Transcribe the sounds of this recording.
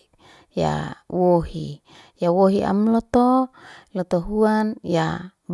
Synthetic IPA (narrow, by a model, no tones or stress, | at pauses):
ja̰woɦḭ | jawoɦiʔa̰mlɔt̪olɔt̪oɦuanjab